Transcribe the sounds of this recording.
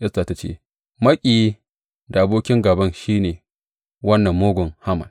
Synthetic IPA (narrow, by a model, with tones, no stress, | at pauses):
ʔɛ˦staː˨ta˨t͡ʃḛː˦˨ | mɐ˦kʲʼiː˨ji˦ | da˨ʔa˨boː˦kʲɪ˦ŋɡaː˨bɐ˦nʃiː˦neː˨ | wɐ˦nːɐ˨mːoː˦ɡʷʊ˨ŋha˦mɐ̰˨n